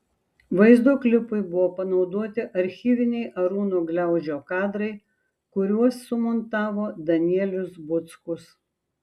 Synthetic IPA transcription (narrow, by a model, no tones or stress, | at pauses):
ʋɐɪzd̪oːklʲɪpʊɪbʊʋoːpɐnɒʊd̪uɔt̪ʲɪʔɐɾʲxʲiːʋʲɪnʲɛɪʔɐɾuːnuːɡlʲɛˑʊʒʲoːkɑːd̪ɾɐɪ | kʊɾʲuɔsːʊmɔnt̪ɑːʋoːd̪ɐnʲiɛlʲʊsbʊt̪skʊs